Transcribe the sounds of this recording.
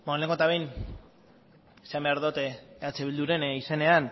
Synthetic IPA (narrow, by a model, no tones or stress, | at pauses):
bonleŋɡot̪aβejn | seambeaɾðot̪eeat͡seβild̪uɾe̞nise̞ne̞an